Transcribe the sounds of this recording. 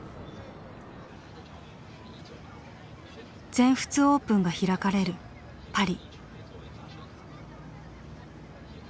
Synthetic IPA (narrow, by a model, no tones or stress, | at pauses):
d͡zẽ̞ɰ̃ɸɯ̟̥t͡sɨo̞ːpɯ̟̃ŋɡaçiɾakaɾe̞ɾɯ̟ | paɾʲi